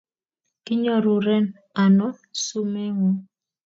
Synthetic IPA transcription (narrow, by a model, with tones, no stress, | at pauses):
kɪ˦ɲɔ˦ɾu˨ɾɛ˦n | a˨nɔ˦su˦mɛ˦ŋɔ˦